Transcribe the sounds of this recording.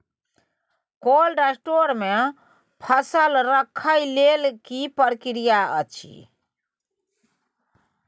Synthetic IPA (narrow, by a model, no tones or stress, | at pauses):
kolɖesʈoɾme | pʰəsəlɾəkʰəjlelkipəɾkiɾijaə̰t͡ʃʰḭ